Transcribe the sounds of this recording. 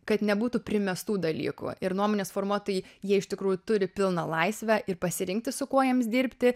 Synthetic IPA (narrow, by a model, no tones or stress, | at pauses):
kɐt̪nʲɛbuːt̪uːpʲɾʲɪmʲɛst̪uːd̪ɐlʲḭːkṵɪɾnuɔmonʲeːsfoːrmuɔt̪oːjijiɛɪʃt̪ʲɪkɾuːjʊt̪ʊɾʲɪpʲɪlˠnɐlˠɐɪsʲʋʲɛʔɪrpɐsʲɪɾʲɪŋk̚t̪ʲɪsʊkuɔjɛmsd̪ʲiːɾʲpʲt̪ʲɪ